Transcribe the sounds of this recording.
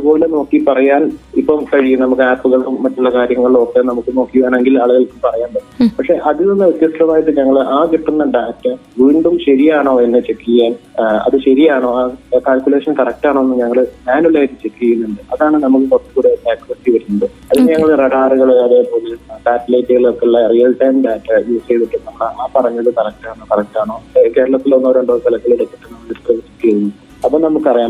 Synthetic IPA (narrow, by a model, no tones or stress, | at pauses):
ɐðɨpo̞ːlenɐomːkːiɨpɐrɐjaːnipːomkɐɻijːumnɐmukːɨaːpːuɣɐɭuːɐʈːuɭːɐkaːɾjɐŋːɐɭlo̞ːkːenɐmukːɨno̞ːkːijʋaːne̞ŋɡilɐɭuɣɐɭkːupɐrɐjaːnbɐɽupɐkʂe̞ʔɐðilinːɨut̪jɐstɐmaːjɐʈːɨɲɐŋːɐɭʔaːkiʈːunːɐɖaːtːɐʋiːɳɖumɕɐɾijaːɳoːe̞nːɨt͡ɕe̞kːiɐjaːnɐ̰ðɨɕɐɾijaːɳo̞ːaːkaːlkʲjule̞ːʂɐnkɐrɐk̚taːɳoːnːɨɲɐŋːɐɭɨmaːnulaːjiʈːɨt͡ɕe̞kːijɐjunːuɳɖɨɐðaːɳɨnɐmːɐkːɨkot̪ːɨkuːɽeekːɐsʈiʋɐɾunːɐɖɨ | ɐðilɲɐŋːɐɭreɽaːruɣɐɭɐðe̞po̞ːleɖaːtːɐlejtːɨɣɐɭokːeɭːɐrijɐlʈɐjmɖaːtːɐjuːsejɽitːɐnːɐmːɐɭɨʔaːpɐrɐɲːɐðɨkɐrɐk̚ʈaːɳkɐrɐk̚ʈaːɳo̞ːke̞ːɾɐɭɐt̪ːilonːuʋoɾoɳɖoːkɐlɐkːɐɭeɽek̪ːiʈːɨnɐmːɐɭiskrɐʋit͡ɕːikːijɐjunːu | ɐpːoːnɐmːukːɨpɐrɐjaːm